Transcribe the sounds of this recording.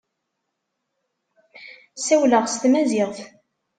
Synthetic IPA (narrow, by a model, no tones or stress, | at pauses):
sæwləʁst̪mæzɪʁθ